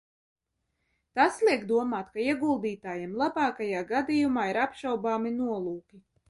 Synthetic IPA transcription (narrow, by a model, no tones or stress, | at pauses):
t̪aslˠiɛkd̪uɔmaːt̪kaiɛɡulˠd̪iːt̪aːjɛmlˠabaːkajaːɡad̪ijumaːiɾapʃawbaːminuɔlˠuːkʲi